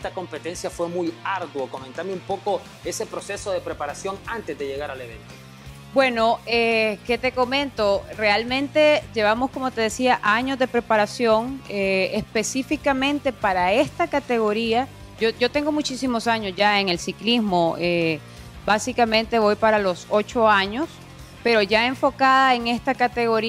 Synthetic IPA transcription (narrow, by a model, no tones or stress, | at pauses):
est̪ako̞mpe̞t̪e̞nsjafwe̞mujaɾðwoko̞ment̪ameumpoko̞ | e̞se̞pɾo̞se̞so̞ðe̞pɾepaɾasjo̞ŋant̪ezd̪eʝe̞ɣaɾale̞βḛ̃nt̪o | bwe̞no̞eke̞t̪e̞ko̞mẽ̞nt̪o̞re̞almẽnt̪e̞ʝe̞βamo̞sko̞mo̞t̪e̞ðesiaʔaɲo̞zðepɾe̞paɾasjo̞ŋeespe̞sifikamẽ̞nt̪e̞paɾae̞st̪akat̪e̞ɣo̞ɾia | ʝoʝo̞t̪e̞ŋɡo̞mut͡ʃisimo̞saɲo̞szʝae̞ŋe̞lsiklizmo̞e | basikamẽnt̪e̞βo̞jpaɾalo̞so̞t͡ʃo̞aɲo̞s | pe̞ɾo̞ʝae̞ɱfo̞kaðaeŋe̞st̪akat̪e̞ɣo̞ɾi